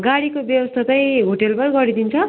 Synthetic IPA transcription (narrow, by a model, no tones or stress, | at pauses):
ɡaɽikobjʌwʌst̪ʰatʌjɦoʈelbʌrɡʌɾid̪int͡sʰʌ